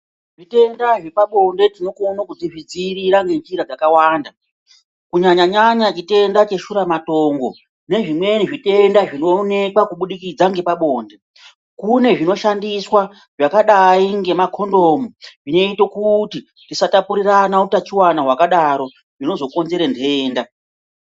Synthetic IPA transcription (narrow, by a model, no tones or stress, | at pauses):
ʐite̞ndaʐepaɓo̞nde̞tino̞konokud͡ziʐid͡ziriɾaŋɡe̞nd͡ʒiɾad͡zakawaːnda | kuɲaɲaɲaɲat͡ʃite̞ndat͡ʃe̞ʃuɾamatoːŋɡo̞ | ne̞ʐimweniʐite̞ndaʐino̞ːne̞kwakuɓuɗikid͡zaŋɡe̞paɓo̞ːnde̞ | kune̞ʐino̞ʃandiswa | ʐakaɗaiŋɡe̞makʰo̞ndomuʐino̞ito̞kuti | tisatapuɾiranautat͡ʃiwanaɦwakaɗaɾo̞ | ʐino̞zo̞ko̞nze̞ɾendeeːnda